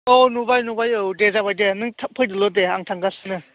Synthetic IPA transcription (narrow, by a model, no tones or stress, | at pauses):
onubajnubajowdezaβajdenɯŋtʰapʰɯjdɯlɔdeaŋtʰaŋɡasɯnɯ